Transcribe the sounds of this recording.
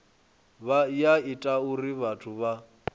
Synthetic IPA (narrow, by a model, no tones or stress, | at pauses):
βajaitʼauriβatʰuβa